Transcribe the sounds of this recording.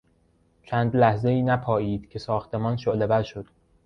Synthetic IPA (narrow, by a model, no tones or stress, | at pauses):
t͡ʃʰæːnd̪læhze̞iːnæpʰɒːiːd̪̥cʰe̞sɒːxt̪ʰe̞mɒːnʃoʔlebæɾʃod̪̥